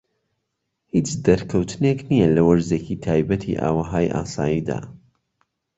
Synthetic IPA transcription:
hiːt͡ʃd̪ɐɾkʰɐwt̪ʰɨneknijɐlɐwɐɾzeːcʰit̪ʰaːjbɐt̪ʰḭʔa̰ːwɐɦaːjʔa̰ːsaːjiːd̪a̰ː

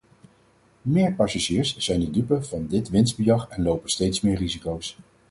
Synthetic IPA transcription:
mɪːɹpɑsaʒiːɹsz̥ɛjndədypəv̥ɑndɪtʋɪnsd̚bəjɑχɛnlowpənstejtsmɪːɹrizikows

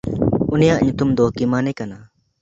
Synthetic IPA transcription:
unijaʔɲut̪umd̪ɔkimanɛkana

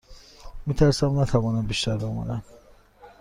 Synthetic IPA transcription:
mit̪ʰæɾsæmnæt̪ʰævɒːnæmbiʃt̪æɾbemæ̰d̪æn

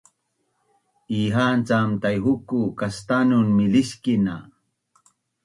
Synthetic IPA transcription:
iːɦaːnt͡samt̪ajɦukukast̪anunmiliskina̰

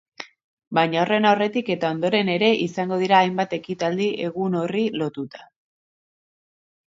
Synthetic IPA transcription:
bajɲaore̞nawre̞t̪ike̞t̪ao̞nd̪o̞ɾe̞ne̞ɾe̞ʔisaŋɡo̞ð̞iɾaːjmbat̪e̞kit̪ald̪iʔe̞ɣ̞uno̞rilo̞t̪ut̪ḁ

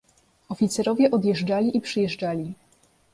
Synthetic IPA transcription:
ɔfʲit̪sɛɾɔvʲjɛʔɔd̪jɛʐd͡ʐalʲiʔipʂɘjɛʐd͡ʐalʲi

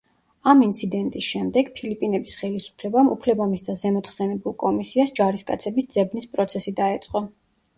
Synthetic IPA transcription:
amint̪sʰid̪ɛnt̪ʼisʃɛmd̪ɛɡ̥pʰilipʼinɛbisχɛlisu̥pʰlɛbamṵpʰlɛbamisd̪azɛmɔt̪χsɛnɛbulˠkʼɔmisiasd͡ʒaɾiskʼa̰t̪sʰɛbisd̪z̥ɛbnispʼɾɔt̪sʰɛsid̪aɛt̪sʼqʼɔ

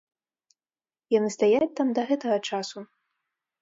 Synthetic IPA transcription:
janɨst̪ajat͡sʲt̪amd̪ɐɣɛt̪ɐɣɐt͡ʂasu

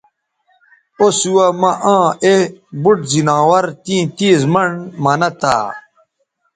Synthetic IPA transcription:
osuwɐmɐʔãːebuʈzinãːwɐɾt̪ĩːt̪iːzmɐɳmɐnɐt̪a̰ː

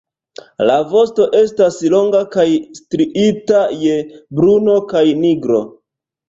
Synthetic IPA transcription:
lavo̞sto̞ʔe̞staslo̞ŋɡakajstɾiʔitajebɾuno̞kajniɡɾo̞̰

